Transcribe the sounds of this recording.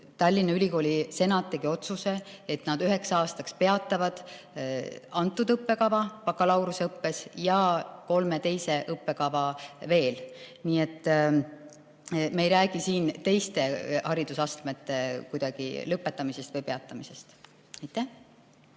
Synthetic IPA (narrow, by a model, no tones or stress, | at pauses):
t̪ɑlʲːinɑylʲiko̞ːlʲise̞nɑt̪ːˑeɡio̞t̪suseet̪nɑd̪yɦe̞ksɑːst̪ɑkspe̞ɑt̪ˑːɑvɑd̪̥ | ɑnt̪ːˑud̪ɤpːe̞kɑvɑpɑkːˑɑlɑwɾuseɤpːe̞sjɑko̞lme̞t̪e̞jse̞ʔɤpːe̞kɑvɑve̞ːlniːet̪ːˑ | meejɾæːɡ̥isiːnt̪e̞jst̪e̞hɑɾid̪̥usɑst̪met̪ːe̞kujd̪ɑɡ̥ḭlɤpːˑe̞t̪ːˑɑmise̞st̪vɤjpe̞ɑt̪ːˑɑmise̞st̪ | ɑjt̪ːˑæh